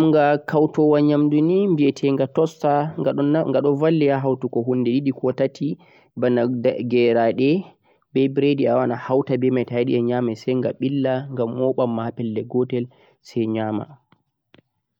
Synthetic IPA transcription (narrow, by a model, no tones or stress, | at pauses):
mŋɡakʰawtɔwaɲamdunimbiɛtʰɛŋɡatɔsta | ŋɡaɗɔvalːijaɦawtukɔɦunːdɛdiɗikɔtatʰi | banaɡɛɾaɗɛ | bɛbɾediawanahawtabɛmajtajɗiɛɲaːmɛsɛjŋɡaɓilːaŋɡamːɔɓamːapɛlːɛɡɔtɛl | sɛɲama̰